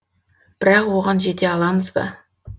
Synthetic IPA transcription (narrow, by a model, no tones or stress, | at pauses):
b̥ɪɾɑqwoʁɑnʒet̪ʲeɑlˠɑməzbɑ̰